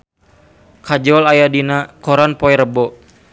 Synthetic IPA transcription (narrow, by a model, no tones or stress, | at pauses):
kad͡ʒɔlajadinakɔɾanpɔɛɾəbɔ